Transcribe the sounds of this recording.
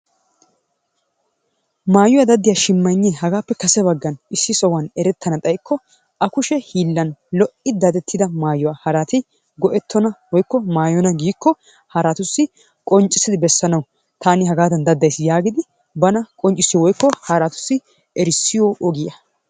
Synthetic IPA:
maːjɔwad̪ɐd̪ːɪjaʃɪmːɐnːɛhɐɡaːpːɛkɐsɛbɐɡːɐnɪsːɪsɔwɐnɛɾɛt̪ʰːɐnɐt̪ʼɐjkʰːɔ | ʔɐkʊʃɛhiːlːɐnlɔʔɪd̪ɐd̪ɛt̪ʰːɪd̪ɐmaːjɔwahɐɾat̪ɪ | ɡɔʔɛt̪ʰːɔnɐwɔjkːɔmaːjɔnɐɡiːkːɔ | hɐɾat̪ʊsːɪ | kʼɔnt͡ʃʼːɪsːɪd̪ɪbɛsːɐnɐwʊ | t̪ʰaːnɪɦɐɡaːt̪ɐnd̪ɐd̪ːɐjsjaːɡɪd̪ɪ | bɐnɐkʼɔnt͡ʃʼɪsːɪjɔwɔjkːɔhɐɾat̪ʊ̥sːɪ | ɛɾɪsːɪjɔʔɔɡɪjɐ

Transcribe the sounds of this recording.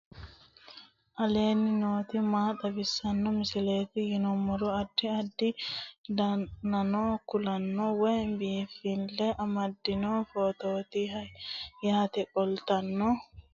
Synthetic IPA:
ʔɐle̞ːnːɪno̞ːt̪ɪmaːt̪ʼɐbɪsːɐnːɔmɪsɪle̞ːt̪ɪjɪnɔmːɔɾɔɐd̪ːɪɐd̪ːɪd̪ɐnɐnoːkʊlɐnːɔwɔjnbiːfɪlːɛʔɐmɐd̪ːɪnoːfoːt̪oːt̪ɪɐjaːt̪ɛkʼɔlt̪ɐnːɔ

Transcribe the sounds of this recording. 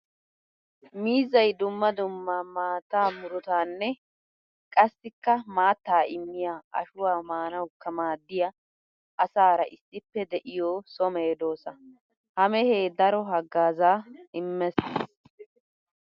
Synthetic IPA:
miːzɐjd̪ʊmːɐd̪ʊmːamaːt̪ːaːmʊɾʊt̪aːnːɛ | kʼɐsːɪkːɐmaːt̪ːaːʔɪmːɪjaːʔɐ̰ʃʊwaːmaːnɐwkːɐmaːd̪ːɪjɐ | ʔɐsaːɾɐʔɪsːɪpːɛd̪ɛʔɪjoːsɔmeːd̪o̞ːsɐ | hɐmɛhe̞ːd̪ɐɾɔɦɐɡːaːzaːɪmːɛses

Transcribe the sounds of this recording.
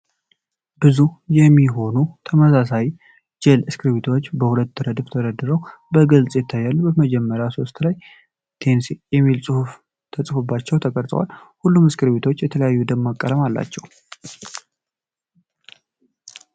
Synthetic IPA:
bɨzujɛmːiɦo̞nut̪ʰəməsasaj | d͡ʒɛlɨskʰɨɾβet̪ʰo̞t͡ʃːbəhulət̪ːɨɾəd̪ɨft̪ʰəɾəd̪ːɨɾəwbəɡəlt͡sʼjɛt̪ʰːajːalːubəməd͡ʒɛmːəɾjaso̞st̪laj | t̪ʰe̞nsijɛmːilsʼɨhuf | t̪ʰət͡sʼfɨbːat͡ʃːɛwt̪ʰəkʼəɾt̪ʼə̰wa̰lhulːumɨskɨɾβet̪ʰo̞t͡ʃːjɛt̪ʰələjajːud̪əmmakʼːələmalːa̰t͡ʃːɛw

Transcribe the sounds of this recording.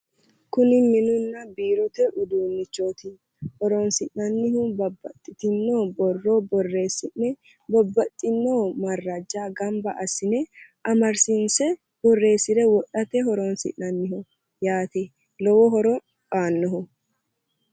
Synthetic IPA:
kʊnɪmːɪnʊnːɐbiːɾɔt̪ɛʔʊd̪uːnːɪt͡ʃːoːt̪ɪ | hɔɾɔnsɪʔnɐnːɪhʊbɐbːɐt̪ʼːɪt̪ɪnːoːbɔrːɔbɔrːe̞ːsɪnɛ | bɔbːɐt̪ʼːɪnːoːmɐrːɐd͡ʒːaːɡɐmbɐʔɐsɪnɛʔɐmɐɾsɪnsɛ | bɔrːe̞ːsɪd̪ɛwɔɗɐt̪ɛɦɔɾɔnsɪ̰ʔnɐnːɪhʊ | jaːt̪ɪ | lɔwɔɦɔɾɔ | baːnːɔɦʊ

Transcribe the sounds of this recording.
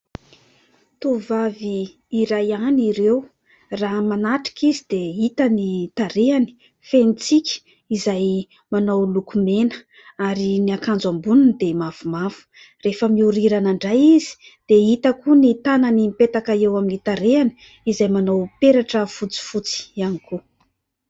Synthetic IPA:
t̪uvaviː | ɾajaniɾew | ramanaʈ͡ʂi̥kizid̪eit̪ənit̪aɾeani̥ | fenit͡sikʲi̥ | izaj | manowlukumenə̥ | aɾiniakand͡zambunund̪emavumavu̥ | refəmiuɾiɾanaɳɖ͡ʐajizi̥ | d̪̥eit̪əkunit̪ananimipet̪akaewaminit̪aɾeani̥ | izajmanowpeɾaʈ͡ʂəfut͡si̥fut͡si̥aniku

